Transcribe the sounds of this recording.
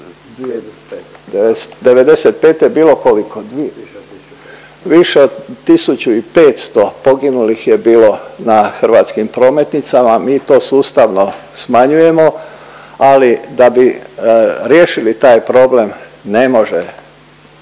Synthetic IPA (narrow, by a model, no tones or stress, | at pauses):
d̪eʋe̞d̪e̞set̪̚peːt̪jebiːlo̞koliko | ʋiʃeod̪t̪isut͡ɕuipe̞ːt̪st̪opo̞ɡinulixje̞biːlo̞naxrɾ̩ʋaːt̪skimpɾo̞ːme̞t̪nit̪samamiːt̪o̞ːsuːst̪aʋno̞smaɲuje̞mo̞ | alid̪abi | ɾjeːʃilit̪aːjpɾo̞ble̞mne̞mo̞ʒe